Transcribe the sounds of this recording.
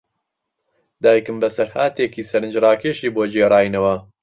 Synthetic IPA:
d̪aːjkɨmbɐsɐɾhaːt̪eːkiːsɐɾɨnd͡ʒrɑːkeːʃiːboːd͡ʒeːrˤɑːjnɐwɐ

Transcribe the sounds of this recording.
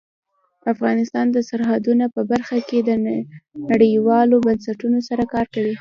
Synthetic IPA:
afɣɑnɪst̪ɑnd̪əsaɾɦad̪unopəbaɾxaked̪ənaɽəjwɑlobansaʈunosaɾakɑɾkawi

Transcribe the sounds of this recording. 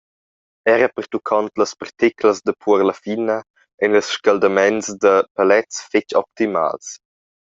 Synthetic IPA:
ɛɾəpərt̪ukʰɔnt̪ləspərt̪ikləsd̪əpʰuəɾləfinə | ɛnləsʃkald̪ɐmɛnsd̪əpalɛt͡sfɪt͡ʃɔ̰p̚t̪ima̰ːls

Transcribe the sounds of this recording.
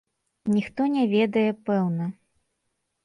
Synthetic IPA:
nʲixt̪ɔnʲɛvʲɛd̪ɐjɛpɛwnɐ

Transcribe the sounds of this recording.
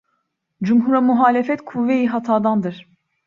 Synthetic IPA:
d͡ʒumɦuɾamuɦaːlʲefɛt̪kʰuvːejiɦat̪ʰaːd̪and̪ɯɾ̥

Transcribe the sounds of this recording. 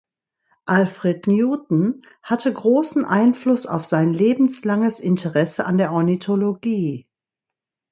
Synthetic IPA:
ʔalfʁ̥etnjuːtn̩ | hatʰəɡʁoːsn̩ʔaɪnflʊsa̰ʊfz̥aɪnleːbm̩slaŋəsɪntʰəʁɛsəʔandeːɐʔɔɐnitʰoloɡiː

